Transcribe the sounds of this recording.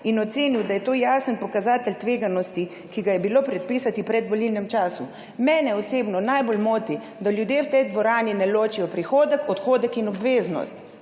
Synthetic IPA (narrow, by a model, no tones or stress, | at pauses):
inɔt̪seːniwd̪ajɛt̪oːjaːsənpɔkazaːt̪əlt̪ʋeːɡanɔst̪i | kiɡajɛbiloːpɾɛt̪̚piːsat̪ipɾɛd̪ʋɔlilnɛmt͡ʃaːsu | mɛːnɛɔseːbnɔnajbolmoːt̪i | d̪aljud̪jeːwt̪ɛjd̪ʋɔɾaːninɛloːt͡ʃijɔpɾixoːd̪əkɔt̪xoːd̪əkinɔbʋeːznɔ̰st̪